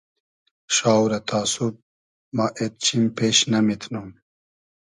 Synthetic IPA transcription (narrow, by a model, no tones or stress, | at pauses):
ʃaːwɾɐt̪ʰaːsup̚ | maʔet̪̚t͡ɕʰimpeːɕnɐmit̪ʰnum